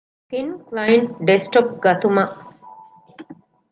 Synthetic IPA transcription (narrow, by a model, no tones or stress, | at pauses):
kinklɐjeɳʈɖesʈop̚ɡɐt̪umɐʔ